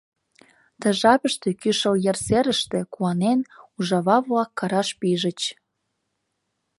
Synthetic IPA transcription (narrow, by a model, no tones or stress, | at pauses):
t̪ə̆ʒɑpəʃt̪ekyʃəljerseɾəʃt̪ĕkuɑnenuʒɑβɑβlɑkːɑɾɑʃpiʒə̆t͡ɕ